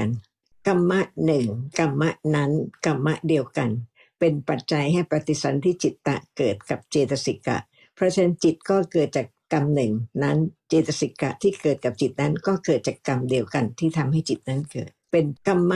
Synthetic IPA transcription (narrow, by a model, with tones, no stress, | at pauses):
a˧n | ka˧mːa˦˥ʔnɯ˨˩ŋka˧mːa˦˥ʔna˦˥nka˧mːa˦˥ʔdi˧əwka˧n | pe˧npa˨˩t̪̚t͡ɕa˧jha˥˩jpɾa˧t̪i˨˧˩sa˧˦nt̪ʰiː˥˩t͡ɕi˨˩t̪ːa̰˨˩ʔkɤː˨˩t̪̚ka˨˩p̚t͡ɕeː˧t̪a˧si˨˩kːa̰˨˩ | pʰɾɔ˦˥t͡ɕʰa˧˥˦nt͡ɕi˨˩t̪̚kɔː˥˩kɤː˨˩t̪̚t͡ɕaː˨˩kːa˧mnɯ˨˩ŋna˦˥nt͡ɕeː˧t̪a˧si˨˩kːa̰˨˩ʔt̪ʰiː˥˩kɤː˨˩t̪̚ka˨˩p̚t͡ɕi˨˩t̪̚na˦˥nkɔː˥˩kɤː˨˩t̪̚t͡ɕaː˨˩kːa˧mdi˧əwka˧nt̪ʰiː˥˩t̪ʰa˧mɦa˥˩jt͡ɕi˨˩t̪̚na˦˥nkɤ̰ː˨˩t̪̚pe˧nka˧mːa˦˥